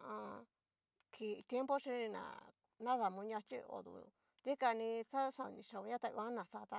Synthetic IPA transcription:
ã˧ | kʰi˨˧t̪je˦mpo˦ʂi˧˦i˧nã̰˨ | nã˦ða˨mũ˧ɲã˧t͡ʃḭ˦o̰˧˨d̪ṵ˧ | t̪i˦ka˧nĩ˧t͡sa˦ʂã˧˨nĩ˨˧ʂa˧u˧ɲã˦t̪a˧ṵ˧ã˦nã˨sa˧t̪a˧

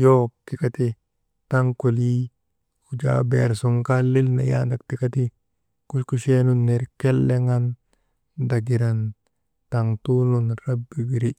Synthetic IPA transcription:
jo˦ti˨kat̪i˦ | ta˦ŋko˨li˦ | u˨d͡ʒa̰beɾsu˨ŋka˦li˦lna̰˨ja̰nda˨k̚ti˨kati˦ | ku˦ʃku˦ʃenu˦nːe˨ɾkɛ˦lːe˦ŋa˦n | daɡi˨ɾan | ta˨ŋtulunɾa˦bːi˨ɡi˨ɾi

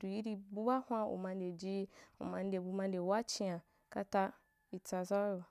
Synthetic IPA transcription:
du˨ji˦ɾi˧bu˦ba˦hʷã˦ṵ˨mã˧n˦de˨d͡ʒi˦ṵ˨mã˨n̩˦de˨bu˧mã˧n̩˦de˨wa˦t͡ʃi˦ã˨ | ka̰˦ta˧ | i˨t͡sa˨za˦o˨

